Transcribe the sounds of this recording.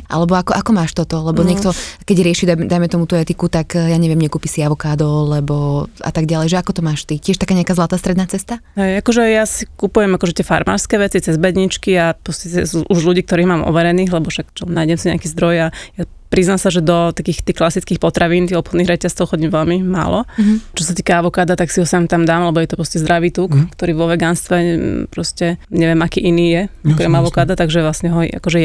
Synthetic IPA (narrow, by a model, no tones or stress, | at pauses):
ʔa̰lɛbɔakɔʔakɔmaːʃt̪ɔt̪ɔlɛbɔɲɛkt̪ɔkɛɟɾɪɛʃid̪ad̪ajmɛt̪ɔmut̪uɛt̪ikut̪akjaːɲɛʋɪɛmɲɛkuːpisiaʋɔkaːd̪ɔʊlɛbɔa̰t̪aɡɟalɛjʒɛakɔt̪ɔmaːʃt̪icɛʃt̪akaːɲɛakaːzlˠat̪aːst̪ɾɛd̪naːt͡sɛst̪aɦɛjakɔʒɛjasikupujɛmakɔʒɛt̪ɪɛfa̰ɾma̰ːɾskɛːʋɛt͡sit͡sɛzbɛd̪ɲit͡ʃkiapɾɔscɛt̪ɛsuʔuʒluɟiːk̚t̪ɔɾiːɣmaːmʔɔ̰ʋɛɾɛniːɣlɛbɔfʃakt͡ʃɔmnaːjɟɛmsiɲɛ̰akiːzd̪ɾɔjaja | pɾiznamsaʒɛd̪ɔt̪akiːxt̪iːklasit͡skiːxpɔt̪ɾaʋiːnt̪iːɣɔpxɔd̪niːɣɾɛcast͡sɔʊxɔɟiːmʋɛlmima̰ːlɔt͡ʃɔsat̪iːkaaʋɔkaːd̪at̪aksiɦɔsant̪amd̪aːmlɛbɔjɛt̪ɔpɾɔscɛzd̪ɾaʋiːt̪uːkkt̪ɔɾiːʋɔʋɛɡaːnst̪ʋɛpɾɔscɛɲɛʋɛmakiːʔiniːjɛakɔɾɛmaʋɔkaːd̪at̪aɡʒɛʋlasɲɛɦɔa̰kɔʒɛ